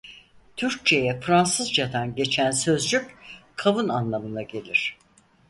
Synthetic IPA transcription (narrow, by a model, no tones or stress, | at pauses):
t̪ʰyɾc̚t͡ʃʰe̞jɛfɾansɯzd͡ʒat̪anɟe̞t͡ʃʰænsø̞zd͡ʒyckʰavunanlˠamɯnaɟe̞lʲiɾ̝̥